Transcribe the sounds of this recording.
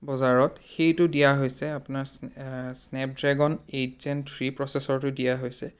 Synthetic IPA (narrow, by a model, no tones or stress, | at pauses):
bɔzaɹɔtxejtʊdijaɦojsɛapʊnaɹssnɛp̚dɹɛɡɔnezɛntʰɹipɹɔsɛsɔɹtʊdijaɦojsɛ